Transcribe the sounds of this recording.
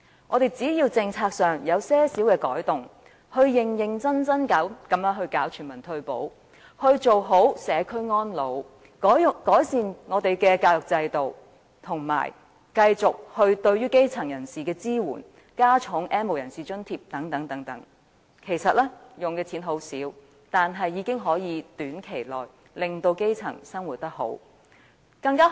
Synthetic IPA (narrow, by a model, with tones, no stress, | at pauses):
ŋʔɔː˨˧d̪e˨˩jt͡siː˨˥jiː˧wt͡sɪ˧ŋt͡sʰaː˧k̚sœː˨ŋjɐ˨˧wsɛː˥siː˨˥wkɛː˧kɔ̰ː˨˥jt̪ʊ˨ŋ | hɵ˧ɥjɪ˨˩ŋjɪ˨ŋt͡sɐ˥nt͡sɐ˥nkaː˨˥wkɐ˨˧mjœː˨˥ŋɦɵ˧ɥkaː˨˥wt͡ʃʰyː˨˩nmɐ˨˩nt̪ʰɵ˧ɥpo̰˨˥w | hɵ˧ɥt͡so˨wɦo˨˥wsɛː˨˧kʰɵ˥ɥŋɔː˥nlo˨˧w | kɔː˨˥jsiː˨nŋɔː˨˧t̪e˨jkɛː˧kaː˧wjʊ˨k̚t͡sɐ˧jt̪o˨w | t̪ʰʊ˨˩ŋma̰ː˨˩j | kɐ˧jt͡sʊ˨k̚hɵ˧ɥt̪ɵ˧ɥyː˥ke˥jt͡sʰɐ˨˩ŋjɐ˨˩nsiː˨kɛː˧t͡siː˥wṵː˨˩n | kaː˥t͡sʰʊ˨˥ŋʔɛ˥nmo˨wjɐ˨˩nsiː˨˩t͡ʃɵ˥nt̪ʰiː˧˥p̚t̪ɐ˨˥ŋt̪ɐ˨˥ŋt̪ɐ˨˥ŋt̪ɐ̰˨˥ŋ | kʰe˨˩jsɐ˨t̚lɛː˥jʊ˨ŋkɛː˧t͡sʰiː˨˥nɦo˨˥wsiː˨˥w | t̪aː˨nɦɐ˨jːiː˨˧kɪ˥ŋɦɔː˨˥jiː˨˧t̪yː˨˥nkʰe˨˩jlɔ̰ː˨j | lɪ˨ŋt̪o˧wke˥jt͡sʰɐ̰˨˩ŋsɐ˥ŋwuː˨˩t̚t̪ɐ˥k̚ɦo̰˨˥w | kɐ˧ŋkaː˥